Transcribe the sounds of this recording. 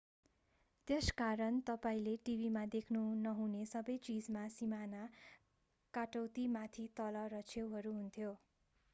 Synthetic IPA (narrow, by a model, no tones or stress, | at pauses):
t̪eskaɾʌnt̪ʌpaĩleʈibimad̪ekʰnunʌɦunesʌbʌjt͡sid͡zmasimana | kaʈʌwt̪imat̪ʰit̪ʌlʌɾʌt͡sʰewɦʌɾuɦunt̪ʰjo